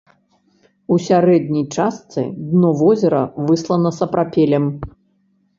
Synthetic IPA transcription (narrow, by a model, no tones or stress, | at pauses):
usʲaɾɛd̪̚ʲnʲijt͡ʂast̪sɨ̰d̪nɔvɔzʲɛɾɐ̰vɨslˠɐnɐsɐpɾapʲɛlʲɛm